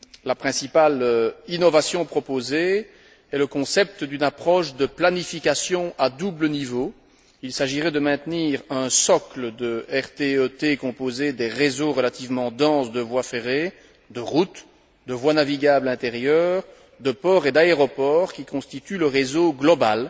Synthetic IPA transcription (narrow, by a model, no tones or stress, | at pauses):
lapχɛ̃sipalinɔvasjɔ̃pχɔpoze | ɛləkɔ̃sɛp̚t̪əd̪ynapχɔʃd̪əplanifikʲasjɔ̃ad̪ublənivo | ilsaʒiʁɛd̪əmɛ̃t̪niːʁə̃sɔkləd̪əɛʁt̪eøt̪ekɔ̃pozed̪ɛʁezoʁəlat̪ivmɑ̃d̪ɑ̃sd̪əvwafeʁe | d̪əʁut̪ | d̪əvwanaviɡʲablɛ̃t̪eʁjœːʁ | d̪əpɔʁed̪aeʁɔpɔːʁkʲikɔ̃st̪it̪yləʁezoɡlɔbal